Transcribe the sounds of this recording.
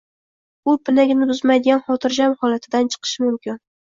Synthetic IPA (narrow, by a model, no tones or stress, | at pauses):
ʊpʰɪnaɡʲnɪbʊzmajd̪ɪɡʲanχɒt̪ʰɪɾd͡ʒamhɒlat̪ʰɪd̪ant͡ʃʰɨ̥qʰɨ̥ʃɪmʊmkʲɪn